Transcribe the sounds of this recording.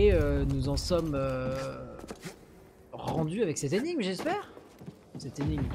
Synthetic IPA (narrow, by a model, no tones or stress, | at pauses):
eønuzɑ̃sɔmø | ʁɑ̃d̪yavɛksɛt̪eniɡmʒɛspɛːʁ | sɛt̪eniŋm